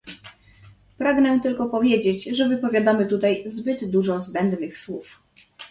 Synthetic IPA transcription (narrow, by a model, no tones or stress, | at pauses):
pɾaɡnɛt̪ɘlkɔpɔvʲjed͡ʑed͡ʑʐɛvɘpɔvʲjad̪amɘt̪ut̪ajzbɘd̪d̪uʐɔzbɛnd̪nɘxswuf